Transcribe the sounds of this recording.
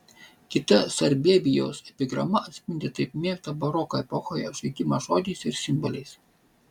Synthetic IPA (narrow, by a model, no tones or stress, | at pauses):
kʲɪt̪ɐsɐɾʲbʲeːbʲɪjo̰ːsɛpʲɪɡɾɐmɐɐt̪ʲsʲpʲɪnʲd̪ʲeːt̪ɐɪpmʲeːft̪ɐbɐɾɔkoːɛpɔxoːjoʒʲɐɪt̪ʲɪmɐʒoːd̪ʲɛɪsɪɾsʲɪmbɔlʲɛɪs